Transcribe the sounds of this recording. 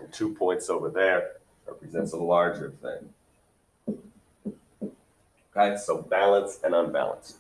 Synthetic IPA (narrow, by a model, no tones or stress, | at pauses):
ntʰʉpʰɔ̃ɪ̃ntsoʊvə˞ðə˞ | ɹɛ̰pɹizɛ̃ntsəlɑɹd͡ʒə˞θɪ̰̃ŋ | kʰaɪsoʊbælˠə̃nsɨ̃nə̃nbæ̰lˠə̰̃nst